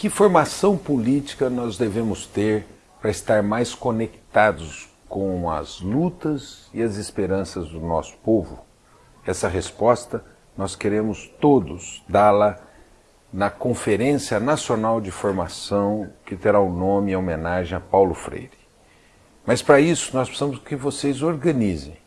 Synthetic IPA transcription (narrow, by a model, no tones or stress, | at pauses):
kɪfoɾmasɐ̃w̃polit͡ʃi̥kɐnɔzd̪evẽmʊst̪eɾ | pɾɐɪst̪aɾmajskonekt̪ad̪ʊs | kõw̃ɐ̰zlut̪ɐzɪɐzɪspeɾɐ̃sɐzd̪ʊnɔ̰sʊ̥povʊ̰ | ɛsɐɦespɔst̪ɐ | nɔskeɾẽmʊst̪od̪ʊsd̪alɐ | nɐkõfeɾẽsiɐnasionawd͡ʒɪfoɾmasɐ̃w̃kɪt̪eɾaʊnõmɪɐomẽnaʒẽj̃ɐpawlʊfɾḛjɾɪ | mɐspɾɐisʊ̥nɔspe̥sɐ̃mʊskɪvosezoɾɡɐ̃nizḛ̃j̃